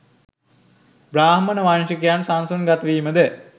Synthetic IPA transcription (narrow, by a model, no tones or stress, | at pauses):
bɾaːɦmənəʋanʃəkijansansunɡat̪əʋiːməd̪e